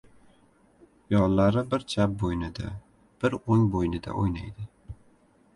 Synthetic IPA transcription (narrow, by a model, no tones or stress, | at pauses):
jɒnlaɾɪbɪɾt͡ʃʰap̚bojnɪd̪a̰ | b̥ɪɾoŋbojnɪd̪a̰ʔojnajd̪ɪ